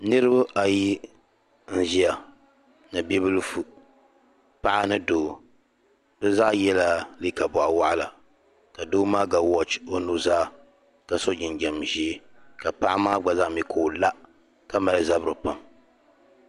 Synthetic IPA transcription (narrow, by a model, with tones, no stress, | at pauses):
nɨ˦ɾɨ˦ba˦ʔa˨ji˦ | n̩˦ʒi˦a˨ | nɨ˨bi˦bɨ˦lfu˨ | pa˦ʔa˦nɨ˦doː˦˨ | bɨ˦za˦ʔjɛ˦la˦li˦ka˨bɔ˨ʔa˨wa˦ʔa˦la˨ | ka˨doː˦maː˦ɡa˨wɔ˦t͡ʃo˦nu˦zaː˦˨ | ka˨so˦d͡ʒɪ˨nɡɛ˨mʒi˦ka˨pa˦ʔa˦maː˦ɡ͡ba˨za˦ʔmi˨kʰo˨la˦ | ka˦ma˨lɨ˦˨za˦bɨ˦ɾɨ˨pa˨m